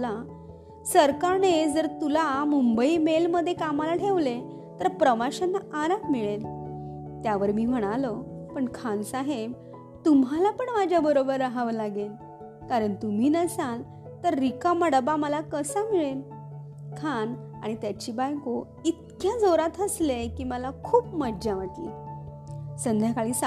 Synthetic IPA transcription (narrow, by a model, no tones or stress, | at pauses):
la | səɾkaned͡zəɾt̪ulamumbəiːmelməd̪ʱːjekamalaʈʰeʋle | t̪əɾpɾəʋaɕanːaaɾakmiɭel | t̪jaʋəɾmiːm̤əɽ̃aləpəɳkʰansaɦeb | t̪umɦalapəɳmad͡ʑʱjabəɾobəɾːaɦaʋlaɡen | kaɾəɳt̪um̤iːnəsal | t̪əɾːikaməɽəbaməlakəsamiɭen | kʰan | aɽ̃it̪jat͡ɕiːbajko | it̪̚kjad͡zoɾat̪əslekiːməlakʰuːpməd͡ʑaʋaʈlḭ | sənd̪ʱjakaɭiːsa